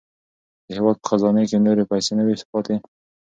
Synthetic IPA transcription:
d̪̥əhewɑd̪̚pə̥xazɑnekenoɾepajsenəwespɑt̪e

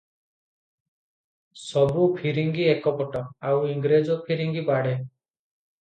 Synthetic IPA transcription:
sɔbupʰiɾiŋɡiekɔpɔʈɔawiŋɡɾed͡ʒɔpʰiɾiŋɡibaɽe

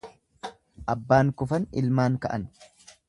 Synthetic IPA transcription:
ʔɐbːaːŋkʊfɐnɪ̰lmaːŋkɐʔɐn

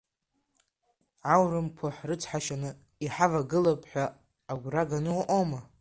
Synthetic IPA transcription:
ʕawrɨmkʰoħrɨt͡sʰħaʃanɨ | iħavaɡɨlapʰʼħʷᶣaː | ɡʷraɡanɨwʔoma

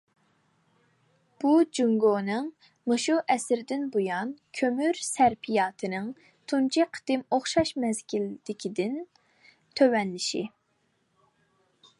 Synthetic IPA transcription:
b̥ud͡ʒuŋɡonɨŋ | mɨʃuʔɛsɾɪd̪ɪnbojɑnkʲʰømyɾsæɾpʰijɑːt̪ʰɨnɨŋ | t̪ʰunt͡ʃʰiqʰə̥d̪̥ɪmoχʃɑʃmɛzkʲʰild̪̥ɪkʲʰid̪ɪn | t̪ʰøwɛnlɪʃḭ

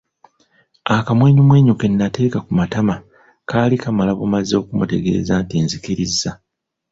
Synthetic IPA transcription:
akamwe̞ːɲumwe̞ːɲoke̞nːate̞ːkakumatama | kaːlikamalaβomazo̞ːkumṵte̞ɡe̞̰ːzantiːnzikiɾizːa

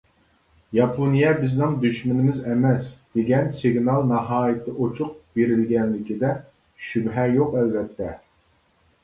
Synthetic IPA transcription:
jɑpʰonijɛbɪznɨŋd̪yʃmɪnɪmɪzɛmɛsd̪̥eɡʲɛnsɪɡnɑlˠnɑɦɑːjɪt̪ʰɨʔot͡ʃʰʊq̚b̥eɾɪlɡʲɛnlɪkʲid̪ɛ | ʃybɦɛjoqɛlbɛt̪ʰːɛ

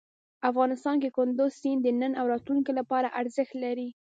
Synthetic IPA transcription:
afɣɑnɪst̪ɑnkekʊnd̪ʊzsind̪ənənawɾɑt̪luŋkelapɑɾaʔaɾzəxt̪laɾi

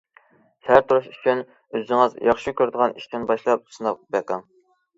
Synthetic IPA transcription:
hæɾt̪ʰuɾuʃyt͡ʃʰyn | øzɪŋɨzjɑχʃikʲʰøɾd̪əʁɑnʔiʃt̪ɪnbɑʃlˠɑp̚sɨnɑq̚bæqɑŋ

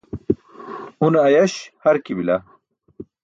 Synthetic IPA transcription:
unːjɐɕhɐɾkibila

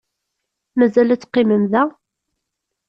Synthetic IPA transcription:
mæzælæt͡sːqːiməmðæ

